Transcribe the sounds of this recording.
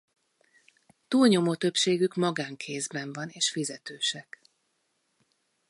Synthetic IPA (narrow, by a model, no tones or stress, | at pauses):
t̪uːlɲo̞mot̪ø̞pʃeːɡykmɒɡaːŋkʰeːzbɛɱvɒneːʃfizɛt̪øːʃɛk